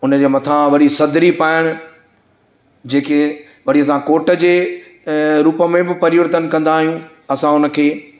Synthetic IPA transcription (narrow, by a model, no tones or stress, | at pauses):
ʊnəd͡ʑeːmɐt̪ʰaʋɐɗisɐd̪ɾipaːɪɽ̃ʊ̆ | d͡ʑeːke | ʋɐɽiəsãkoːʈəd͡ʑeː | ɾuːpəmẽbɪpɐɾɪʋəɾt̪ənkɐ̃nd̪aːɦijũ | ɐsãʊnə̆kʰeː